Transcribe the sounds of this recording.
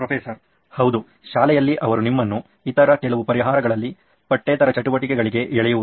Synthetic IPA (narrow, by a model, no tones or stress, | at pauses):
pɾɐpʰeːsɐɾ | hɐwd̪u | ʃaːlɛjɐlːiʔɐʋɐɾunimːɐnːu | it̪ɐɾɐkɛɭɐʋupɐɾiɦaːɾɐɡɐɭɐlːi | pɐʈːeːt̪ɐɾɐt͡ʃɐʈuʋɐʈikɛɡɐɭiɡe̞ɛɭɛjuʋu